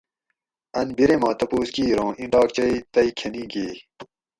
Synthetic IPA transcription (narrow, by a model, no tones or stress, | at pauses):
ɐnbiɾemãːt̪ɐpoːskiːɾõːĩɖaːk̚t͡ɕɐit̪ɐikʰɐnĩːɡeː